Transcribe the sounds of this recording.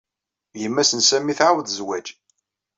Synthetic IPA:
jəmːæsənsæmːiθʕawðzwæd͡ʒ

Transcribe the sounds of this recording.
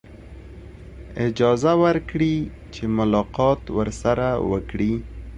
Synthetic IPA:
ɪd͡ʒɑzawəɾkɽi | t͡ʃemʊlɑqɑt̪wəɾsaɾawə̰kɽi

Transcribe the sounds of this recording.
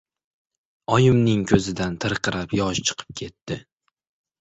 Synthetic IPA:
ɒjɪmnɪŋkʲʰɵzɪd̪ant̪ʰɨɾqʰɨɾapjɒʃt͡ʃʰɨ̥qʰɨ̥p̚kʲʰe̞t̪ːɪ

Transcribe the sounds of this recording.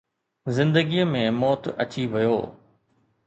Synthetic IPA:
zɪ̃nd̪əɡiəmẽmɔːt̪ɐ̰t͡ɕiʋɐjo̰ː

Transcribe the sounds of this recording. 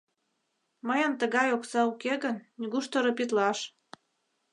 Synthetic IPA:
məjənt̪əɣɑjoksɑukeɣənnʲiɡuʃt̪oɾɤ̆pit̪lɑʃ

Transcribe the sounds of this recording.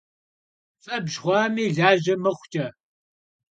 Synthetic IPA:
fʼɐbʒʁʷɑːmiːɮaːʑɐmɨχʷʊtʰʼɐ

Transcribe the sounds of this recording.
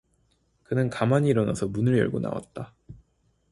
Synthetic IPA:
kɯnɯnkamaɲiːɾʌna̰sʰʌmunɯɭjʌ̰ɭɡona̰wa̰t̚t͈a

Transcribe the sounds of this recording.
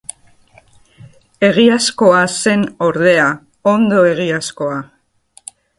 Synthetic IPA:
e̞ɣ̞iasko̞ase̞no̞ɾðe̞a | ond̪o̞e̞ɣ̞iasko̞a

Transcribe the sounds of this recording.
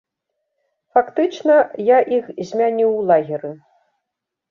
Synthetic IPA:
fakt̪ɨt͡ʂnɐjaʔixzʲmʲanʲiwlˠaɣʲiɾɨ

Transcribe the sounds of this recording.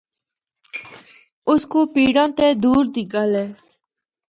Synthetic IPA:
ʊskoːpiːɽãːt̪eːd̪uːɾd̪iɡaːlɛː

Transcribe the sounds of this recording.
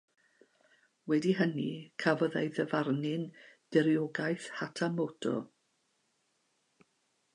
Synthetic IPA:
wɛdiɦənikʰavɔðḛjðəvarnɪnd̥ɛɾjɔɡajθhatʰamɔd̥ɔ̰

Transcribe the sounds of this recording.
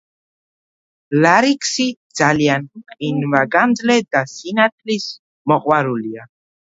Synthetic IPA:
laɾikʼsid̪z̥aljanqʼinvaɡanzlɛd̪asinat̪ʰʼlis | mɔqʼwaɾulia

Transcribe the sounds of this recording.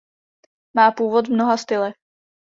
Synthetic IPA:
maːpuːvot̪mnoɦast̪ɪlɛ

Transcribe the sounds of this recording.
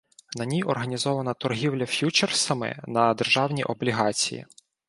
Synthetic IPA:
nɐnʲijʔɔrɦɐnʲizɔʋɐnɐt̪ɔrɦʲiwlʲɐfʲjut͡ʃersɐmɪ̰nɐd̪erʒɑwnʲiʔɔblʲiɦɑt͡sʲijḭ

